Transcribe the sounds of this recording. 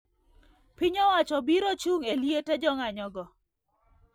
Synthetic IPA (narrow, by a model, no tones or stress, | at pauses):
pɪɲɔwat͡ʃɔbiɾot͡ʃuŋeljeted͡ʒɔŋaɲɔɡɔ